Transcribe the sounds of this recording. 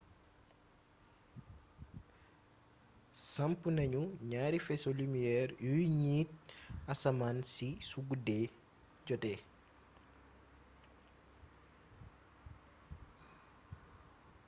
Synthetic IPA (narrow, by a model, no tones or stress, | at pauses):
sɐmpunɐɲuɲaːɾifɛsolimijɛːrjujɲiːt̚ɐsɐmansisuɡudɛ | ɟɔtɛ